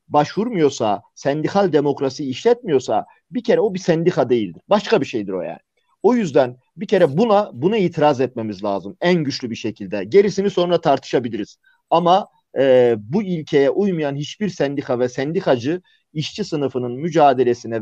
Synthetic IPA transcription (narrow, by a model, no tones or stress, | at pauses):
baʃvuɾmujo̞ɾsasɛnd̪ixalʲd̪e̞mo̞kɾasijːʃlʲɛt̪̚mijo̞ɾsa̰ | bicʰe̞ɾɛo̞bisænd̪ixad̪e̞jilʲd̪iɾbaʃkabiʃejd̪iɾo̞̰ja̰ːni | o̞jyzd̪æn | bicʰe̞ɾɛbunabunaiːt̪ʰiɾazɛt̪me̞mizlʲa̰ːzɯmænɟyt͡ʃlʲybiʃe̞cʰilʲd̪ɛɟe̞ɾisimizso̞nɾat̪ʰaɾt̪ʰɯ̥ʃabilʲiɾiz̥ | amaː | builʲcʰe̞jɛʔujmujanɦit͡ʃbiɾsænd̪ixavɛsɛnd̪ixad͡ʒɯ | iʃt͡ʃʰisɯnɯfɯnɯnmyd͡ʒaːd̪e̞lʲesinɛ